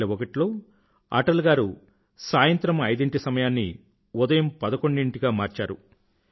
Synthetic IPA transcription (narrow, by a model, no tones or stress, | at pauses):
lɐʋɔkɐʈlo̞ː | a̰ʈɐlɡaːɾu | saːjɐnt̪ɾɐmɐjd̪iɳʈisɐmɐjaːnːḭ | ud̪ɐjɐmpɐd̪ɐko̞ɳɖiɳʈiɡaːmaːɾt͡ʃaːɾu